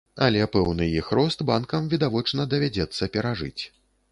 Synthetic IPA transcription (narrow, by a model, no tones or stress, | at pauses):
ɐlʲɛpɛwnɨjixɾɔst̪bankɐmvʲid̪avɔt͡ʂnɐd̪ɐvʲad͡zʲɛt̪sːɐpʲɛɾaʐɨ̰t͡sʲ